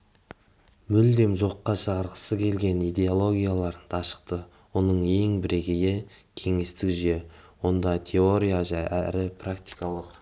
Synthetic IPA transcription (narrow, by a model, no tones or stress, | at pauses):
mʏld̪e̞mʒo̞qːɑʃɑʁəɾqə̥səkʲʰe̞lɡʲe̞nijd̪e̞olˠo̞ɡʲijalˠɑɾd̪ʰɑʃə̥q̚t̪ə | wo̞nəɴe̞ŋbɪɾe̞ɡʲɪɡʲe̞ | kʲʰe̞ŋe̞st̪ɪkʒʏe̞wo̞nd̪ɑt̪ʲʰe̞o̞ɾʲijaʒæʔæɾɪprakt̪i̥jkɑlˠəq